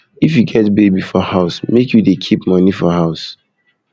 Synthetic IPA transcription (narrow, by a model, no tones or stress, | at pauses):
ifjuɡɛtbebifɔhaʊsmekjudekʰipmʌnifɔhaʊs